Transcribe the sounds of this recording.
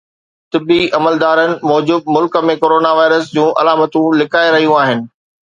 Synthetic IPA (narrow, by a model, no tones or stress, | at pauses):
t̪ɪbiʔɐməld̪aːɾənɪ̆mɔːd͡ʑuːb̪̚mʊlkə̆mẽkoːɾoːnaʋaːɪɾəsd͡ʑũːʔɐ̰laːmət̪ũlɪkʰaːeɾɐɦijũaːɦɪnɪ̆